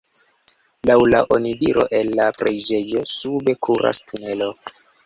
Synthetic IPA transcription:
lawlaʔonidiɾo̞̰ʔenːapɾed͡ʒe̞jo̞sube̞kʰuɾʔa̰stʰune̞lo̞

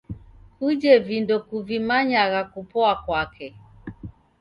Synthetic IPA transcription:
kud͡ʒɛvindɔkuvimaɲaɣakupɔakwakɛ

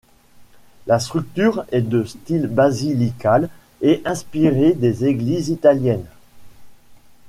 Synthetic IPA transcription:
last̪χyk̚t̪yʁɛd̪əst̪ilbazilikal | eʔɛ̃spiʁed̪ezeɡlizit̪aljɛn

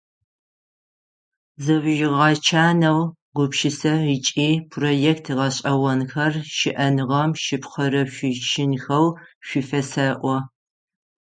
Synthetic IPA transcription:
zɐwʒɪʁɑt͡ʃʰaːnɐw | ɡʷʊpʃɪsɐit͡ʃʼiːpʰroːjɛktʰʁɐɕʼɐwɐnxɐrʃɪʔɐnɨʁɐmʃɪpχɐɾɐʃʷɪʃʰɪnxɐwɕʷifɐsɐʔʷɔ

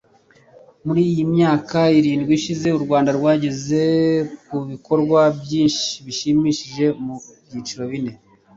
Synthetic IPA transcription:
muɾiːjimɲaːkaiɾiːndɡwiʃize̞uɾɡwaːndaɾɡwaːɟeze̞kuβiko̞ɾɡwabjiːnʃiβiʃimiːʃiʒe̞mubjiːt͡ʃiɾo̞βine̞

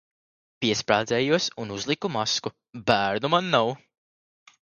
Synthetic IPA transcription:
pʲiɛspɾaːd̪zɛːjuɔsunuzlˠikumasku | bæːɾnumanːaw

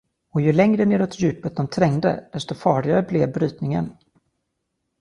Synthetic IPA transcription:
ɔjɵlɛŋɾəneːɾɔt̪jʉ̟ːpət̪̚d̪ɔmt̪ʰɾɛŋd̪ə̰d̪̥ɛst̪ɔfɑːɭɪɡaɾəblɛvbɾyːt̪nɪŋə̰n

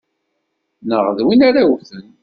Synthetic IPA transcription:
nəʁðwinaɾawuθən

